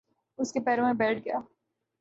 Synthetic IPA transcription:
ʊskepɛːɾõmẽbɛːʈ̚ʰɡɐjaː

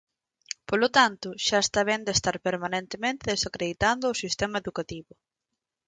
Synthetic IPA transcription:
polot̪ant̪ʊʃaest̪aβ̞ɛnd̪est̪aɾpeɾmanent̪emẽnt̪eðesakɾeðit̪and̪ʊosist̪emaeðukat̪iβʊ

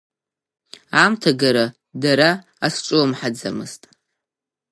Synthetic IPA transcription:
amtʰaɡaɾa | daɾaː | sʈ͡ʂʷʼuwamħad͡za̰mɨ̰stʼ

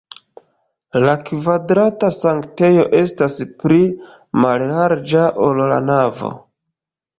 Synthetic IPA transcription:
lakvadɾatasaŋkte̞jo̞ʔe̞staspɾi | mallaɾd͡ʒaʔolla̰navo̰

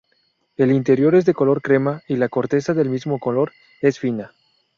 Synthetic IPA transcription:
e̞lint̪e̞ɾjo̞ɾe̞zðe̞ko̞lo̞ɾkɾe̞mailako̞ɾt̪e̞saðe̞lmizmo̞ko̞lo̞ɾ | e̞sfina

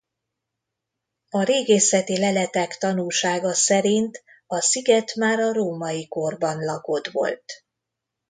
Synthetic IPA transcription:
ɒɾeːɡeːsɛt̪ilɛlɛt̪ɛkt̪ɒnulʃaːɡɒsɛɾint̪ | ɒsiɡɛt̪maːɾɒɾoːmɒjiko̞rbɒnlɒko̞d̪ʋo̞̰lt̪

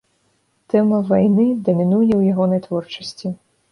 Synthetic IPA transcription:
t̪ɛmɐvajnɨd̪ɐmʲinujɛwjaɣɔnɐjt̪vɔrt͡ʂɐsʲt͡sʲi

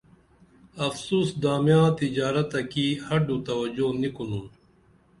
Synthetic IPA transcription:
ɐfsuːsd̪aːmjãːt̪id͡ʑaːɾɐt̪ɐkihɐɖut̪ɐwɐd͡ʑonikunuːn

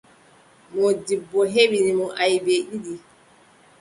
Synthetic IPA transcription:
modibːoɦeɓinimɔʔajibeɗidi

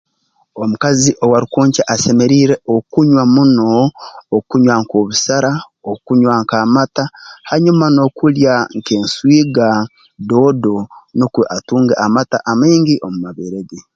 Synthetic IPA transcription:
omukaziʔowaɾukoːɲcaʔase̞me̞ɾiːɾe̞ʔokuɲwamunoː | kuɲwaŋkoβusaɾa | okuɲwaŋkaːmatahaɲumano̞kuljaŋke̞ːnswiːɡa | do̞ːdo̞nukweʔatuːŋɡeʔamata̰ʔameːŋɡiʔomumaβeːɾeɡe

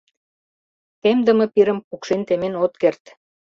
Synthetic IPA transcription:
t̪emd̪ə̆mɤ̆piɾə̆mpukʃent̪emenot̪̚kert̪

